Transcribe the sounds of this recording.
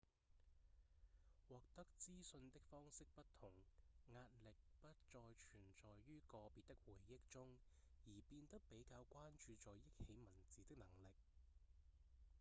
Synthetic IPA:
wɔː˨k̚t̪ɐ˥k̚t͡siː˥sɵ˧nt̪ɪ˥k̚fɔː˥ŋsɪ˥k̚pɐ˥t̪ʰʊ˨˩ŋŋaː˧t̚lɪ˨k̚pɐ˥t̚t͡sɔː˨jt͡ʃʰyː˨˩nt͡sɔː˨jːyː˥kɔː˧piː˨t̚t̪ɪ˥k̚wuː˨˩jːɪ˥k̚t͡sʊ˥ŋ | jiː˨˩piː˧nt̪ɐ˥k̚pe˨˥jkaː˧wkʷaː˥nt͡ʃyː˧t͡sɔː˨jjɪ˥k̚he˨˥jmɐ˨˩nt͡siː˨˥t̪ɪ˥k̚nɐ˨˩ŋlɪ˨k̚

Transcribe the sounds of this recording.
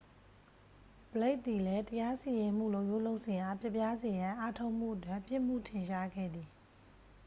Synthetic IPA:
b̥əle˦ɪʔt̪ːi˨lɛ˦təja˦si˨je˨m̥ṵ˦˨lo˦˨ʊʔjo˦˨lo˦ʊʔsʰɪ̃˨ʔa˨pʰjɛ˦ʔpːja˦ze˨jã˨ʔa˦tʰo˦ʊʔm̥ṵ˦˨ʔətwɪ̃˦˨pjɪ˦ʔm̥ṵ˦˨tʰɪ̃˨ʃa˦ɡɛ̰˦˨d̪ði˨

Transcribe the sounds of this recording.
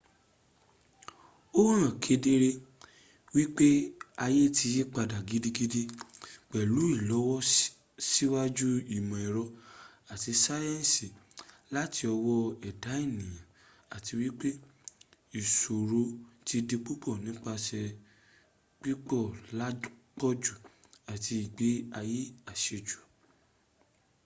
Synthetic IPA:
o˦ɾ̃ã˨kʰe˨˧˦de˦ɾe˦ | wi˦k͡pe˦a˧je˦ti˧je˦k͡pa˧da˨ɡi˨˦di˦ɡi˦de˦k͡pɛ˨lu˨˦i˦˨lɔ˨˦wɔ˦ | si˦wa˦d͡ʒu˦i˦˨mɔ̃˨i˨ɾɔ˧a˨ti˧sa˦jɛ̃˦n˨si˨ | la˦ti˧ɔ˧wɔ˦ɛ˨da˨˦i˦˨nĩ˨j̃ã˨ | a˨ti˧wi˦k͡pe˦ | i˨so˨ɾo˧ti˧de˧k͡pi˦k͡pɔ˦˨nĩ˨˦k͡pa˧ʃɛ˧ | k͡pi˦k͡pɔ˦˨la˦k͡pɔ˦d͡ʒu˦˨ | a˨tʰi˧i˨ɡ͡be˨˦a˧ji˦a˨ʃe˧d͡ʒu̥˨

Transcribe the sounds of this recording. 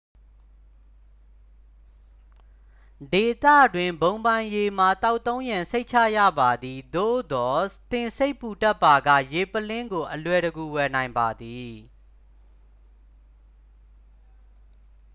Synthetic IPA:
de˨t̪ä̰˦˨dwɪ̃˨mbõ˨ʊ̃mbã˨je˨m̥a˨t̪a˦ʊt̪ːõ˦ʊ̃jã˨se˦ɪʔt͡ɕʰä̰˦˨jä̰˦˨ba˨d̪i˨d̪o̰˦˨d̪ɔ˨t̪ɪ̃˨nse˦ɪpːu˨ta˦pːa˨ɡä̰˦˨je˨pəlɪ̃˦ŋɡo˨ʔəlwɛ˨ɾəɡu˨wɛ˨nã˨ɪ̃mba˨d̪i˨

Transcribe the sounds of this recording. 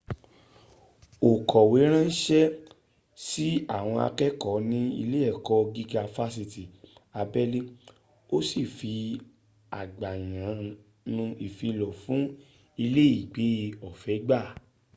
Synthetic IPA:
o˨kʰɔ˨we˨˦ɾ̃ã˦n̩˦ʃɛ˦ | si˦a˦˨w̃ɔ̃˧a̰˧kɛ˦kɔ˨˦nĩ˦ḭ˧le˦ɛ˦˨kɔ˧ɡi˦ka˧˨fa˦s̬i˧ti˨a˧bɛ˦li˦ | o˦si˦˨fi˧ | a˨ɡ͡ba˨j̃ã˨˦ | nũ˧i˨fi˧lɔ˨fũ˨˦ | i˧le˦i˦˨ɡ͡be˨˦i˧ɔ˨fɛ˨˦ɡ͡ba˦˨

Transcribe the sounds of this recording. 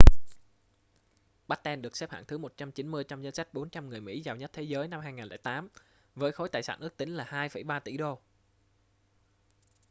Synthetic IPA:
ɓa˦˥t̚t̪ɛ˧nɗɨ˨˩əksɛ˦˥p̚ha̰ː˧˨nt̪ʰɨ˨˦mo˨˩t̚t͡ɕa˧mt͡ɕi˨˦nmɨ˧əjt͡ɕa˧mzə˧nsa˦˥jk̟̚ɓo˨˦nt͡ɕa˧mŋɨ˨˩əjmḭ˧˥zaː˨˩wɲə˦˥t̚t̪ʰe˨˦zəː˨˦jna˧mhaː˧jŋaː˨˩nlɛ̰ː˧˩jt̪aː˨˦m | vəː˨˦jxo˨˦jt̪a̰ː˧˩jsa̰ː˧˩nʔɨ˦˥əkt̪ï˨˦ŋ̟laː˨˩haː˧jfə̰˧˩jɓaː˧t̪ḭ˧˩ɗo˧

